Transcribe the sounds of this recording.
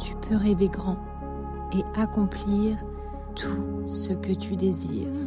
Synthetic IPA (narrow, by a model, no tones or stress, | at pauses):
t̪ʰy̥pʰøʁeveɡʁɑ̃ | eakɔ̃pliʁ | t̪ʰusəkət̪yd̪ezḭːʁ